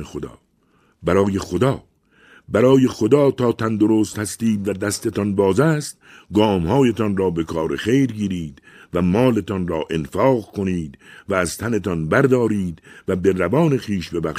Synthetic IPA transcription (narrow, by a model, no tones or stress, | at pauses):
exod̪ɒ̰ː | bæɾɒːjexod̪ɒː | bæɾɒːje̞xo̞d̪ɒːt̪ʰɒːt̪ʰænd̪o̞ɾoːst̪hæst̪iːd̪væd̪æst̪et̪ɒnbɒːzæːst̪ | ɡɒːmhɒːjet̪ɒnɾɒːbe̞kʰɒːɾexejɾɡiːɾiːd̪væmɒːle̞t̪ɒnrɒːʔe̞nfɒːɣkʰo̞niːd̪væːz̥t̪ʰæne̞t̪ɒnbæɾd̪ɒːɾiːd̪væbe̞rævɒːne̞xiːʃbe̞bæʃ